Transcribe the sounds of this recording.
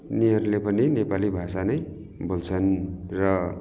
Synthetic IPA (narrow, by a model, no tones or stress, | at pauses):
niʌrlepʌninepalibʱasanʌj | bʱolt͡sʰʌnrʌ